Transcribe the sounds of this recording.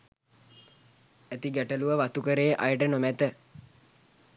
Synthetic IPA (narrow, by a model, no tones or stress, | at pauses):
æt̪iɡæʈəluʋəʋat̪ukəɾeːʔajəʈənomæt̪ə